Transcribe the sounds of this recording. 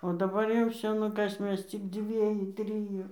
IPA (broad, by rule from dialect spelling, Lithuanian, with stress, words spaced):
oː dɐˈbɐr jɛʊ ˈʋʲsʲoː ˈnʊ ˈkɐs ˈmʲɛs t͡sʲɪk ˈd͡zʲʋʲiɛjʊ ˈtʲrʲɪjʊ